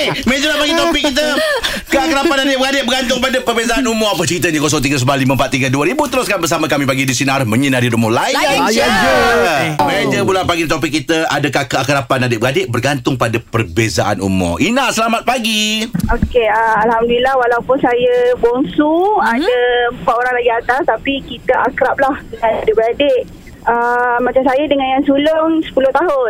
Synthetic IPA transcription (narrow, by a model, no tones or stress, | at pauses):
emed͡ʒəlapaɡit̪opɪkːit̪ə | kəakəɾapanadɪʔbəɡadɪʔbərɡant̪ʊŋpadəpərbezaʔanumɔapət͡ʃəɾit̪əɲəkɔs̬ɔŋt̪iɡəs̬əmbaliməmpat̪ːiɡəduəɾibut̪əɾʊskanbərsaməkamĩpaɡidisinəaɾʊsmə̃ɲənadidumɔlaijaad͡ʒ | med͡ʒəbulapaɡit̪ɔp̬ɪk̚ːit̪əa̰dəkakəakəɾapanadɪʔbəɡadeʔ̚bərɡant̪ʊŋpadapərbezaʔa̰nṵmɔ̰ʔinaʔsəlamat̪̚paɡiokeəalhamdulilahwalawpʊnsajəboŋsuadaəmpat̪oɾaŋlaɡiat̪ast̪apikit̪əʔakɾap̚lahdəŋadɪbəadeʔ | əmat͡ʃamsajədəŋanjaŋsulʊŋsə̥pulʊht̪aɦʊn